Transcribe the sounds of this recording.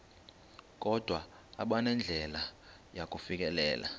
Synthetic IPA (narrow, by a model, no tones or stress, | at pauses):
k̬ʼɔd̥ʱwaː | ɓanɛnd͡ɮʱɛla | jakʼufik̬ʼɛlɛ̰ːlʔa̰